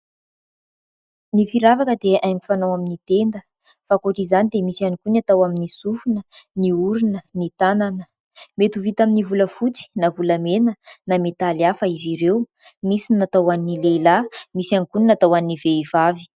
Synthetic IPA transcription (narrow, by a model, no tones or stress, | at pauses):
nifiɾavakəd̪eʔajmifanawaminit̪end̪ə | fakoʈ͡ʂizanid̪emisianikunat̪awaminisufunəniuɾinənit̪ananə | met̪uvit̪aminivuləfut͡si̥navuləmenənamet̪aliafəiziɾew | misinat̪awaninilelamisianikuninat̪awaniiveivavi̥